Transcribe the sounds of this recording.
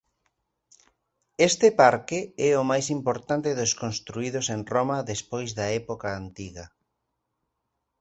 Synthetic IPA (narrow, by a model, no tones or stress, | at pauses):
est̪ɪpaɾkeɛʊmajsimpoɾt̪ant̪eðʊskonst̪ɾuiðosenromaðespojzðɐɛpokaːnt̪iɣɐ